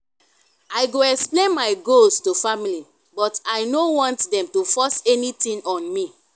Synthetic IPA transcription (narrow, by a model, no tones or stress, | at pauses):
ajɡoɛksplẽnmaɪɡostufamili | bɔtaɪnowɔ̃ntdɛ̃mtufɔsɛnitĩnɔ̃nmi